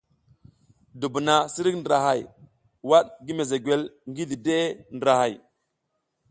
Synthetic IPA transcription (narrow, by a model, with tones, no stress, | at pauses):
du˨bu˨na˨si˦ɾi˦kndə˨ɾa˨ɦa˨j | wa˦ɗɡi˦me˨ze˨ɡwe˦lŋɡi˦di˨de˦ndɾa˨ha˨j